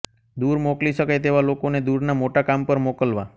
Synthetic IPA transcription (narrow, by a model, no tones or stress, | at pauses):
d̪uɾmokliʃəkajt̪eʋalokoned̪uɾnamoʈakampəɾmokəlʋa̰